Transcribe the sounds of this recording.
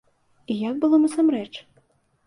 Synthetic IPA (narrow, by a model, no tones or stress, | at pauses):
ijak̚bɨlˠɔnɐsamɾɛt͡ʂ